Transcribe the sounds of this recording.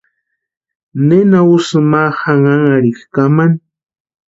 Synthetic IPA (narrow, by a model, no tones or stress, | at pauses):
nenausɨmahaŋaŋaɾɪxkaman